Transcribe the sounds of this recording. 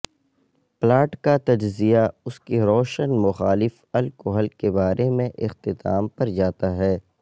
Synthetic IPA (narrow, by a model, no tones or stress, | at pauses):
plaːʈkat̪ɐd͡ʒzijaʊskiɾɔːʃənmʊxaːlɪf | ɐlkoɦəlkebaːɾʔemẽʔɪxt̪ɪt̪a̰ːmpɐɾd͡ʒaːt̪aɦɛː